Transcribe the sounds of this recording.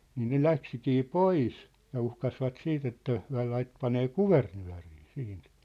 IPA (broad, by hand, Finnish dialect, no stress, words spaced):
niːn ne læksikiː pois jɑ uhkɑsʋɑt siːt etːæ hyæ̝ lɑit pɑneː kuʋernyæ̝riː siːnt